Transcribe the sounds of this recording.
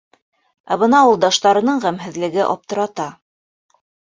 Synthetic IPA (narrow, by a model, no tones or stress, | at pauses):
æβɤnɑulˠd̪ɑʃt̪ɑɾɤ̆nɤɴʁæmɦɘ̆ðlɘ̆ɡɘʔɒ̰p̚t̪ɤ̆ɾɑt̪ɑ